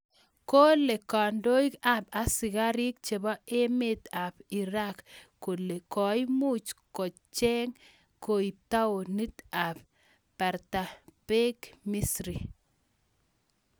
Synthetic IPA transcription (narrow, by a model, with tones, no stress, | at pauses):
ko˦le˨ka˨ndo˦i˦ka˨pa˨si˨ɡa˦ɾi˦k̚t͡ʃe˨bɔ˦e˦met̪a˨pi˨ɾakː | o˨le˨kɔ˨jmu˦t͡ʃkɔ˨ | t͡ʃɛ˦ŋ | ko˨i˨p̚ta˦o˨ni˦t̪a˨p | pa˨ɾta˨pe˦kmisɾi˨